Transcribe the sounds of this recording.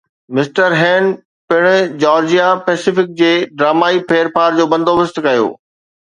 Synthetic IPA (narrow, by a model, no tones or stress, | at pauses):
mɪsʈəɾɦɛ̃ːn | pɪɽ̃ʊ̆d͡ʑɔːɾd͡ʑijapɛːsɪfɪk̚d͡ʑeːɖɾaːmaːipʰeːɾpaːɾd͡ʑoːbɐ̃nd̪ʱoːʋɪst̪kɐjo̰ː